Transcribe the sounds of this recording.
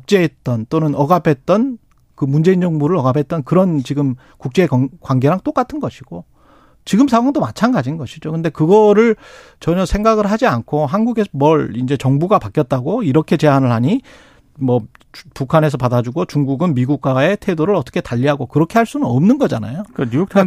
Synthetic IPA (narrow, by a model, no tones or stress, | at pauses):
kuk̚t͡ɕ͈e̞et̚t͈ʌnt͈onɯnʌɡapʰe̞t̚t͈ʌn | kɯmund͡ʑe̞ind͡ʑʌŋbuɾɯɾʌɡapʰe̞t̚t͈ʌnkɯɾʌnt͡ɕiɡɯm | kuk̚t͡ɕ͈e̞ːkkwaŋɡe̞ɾaŋt͈ok͈atʰɯnɡʌɕʰiɡ̥o | t͡ɕiɡɯmsʰaɡwaŋdomat͡ɕʰanɡad͡ʑinɡʌɕʰid͡ʑokɯnde̞kɯɡʌɾɯɭ | t͡ɕʌɲʌsʰeŋɡaɡɯɭɦad͡ʑiankʰoɦanɡuɡe̞sʰʌmʌɭind͡ʑe̞t͡ɕʌŋbuɡapak͈jʌt̚t͈aɡoiɾʌkʰe̞t͡ɕe̞ɦanɯɭhaɲi | mʌ | pukʰane̞s̬ʰʌpadad͡ʑuɡot͡ɕuŋɡuɡɯnmiɡuk̚k͈wae̞tʰe̞doɾɯɭʌt͈ʌkʰetaʎːiɦaɡokɯɾʌkʰehaɭs͈unɯnʌmnɯnɡʌd͡ʑana̰jokaɲujok̚tʰ